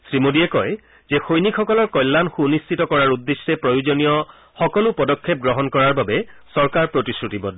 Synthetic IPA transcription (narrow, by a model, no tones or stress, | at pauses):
sɹimodiɛkɔj | zɛxojnikʰxɔkɔlɔɹkɔjlːanxunist͡ʃitɔkɔɹaɹudːesɛpɹɔjuzonijɔ | xɔkɔlʊpɔdɔkʰːep̚ɡɹɔɦɔnkɔɹaɹbabɛsɔɹkaɹpɹotisutibɔ